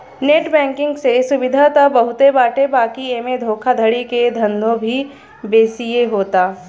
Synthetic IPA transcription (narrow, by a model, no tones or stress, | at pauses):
neːʈbɛ̃ːŋkɪ̃ŋɡsesʊbɪd̪ʱat̪ɐbɐɦʊt̪ebaːʈebaːkieːmed̪ʱoːkʰad̪ʱəɽiked̪ʱɐ̃nd̪ʱõbʱi | beːsijeɦoːt̪aː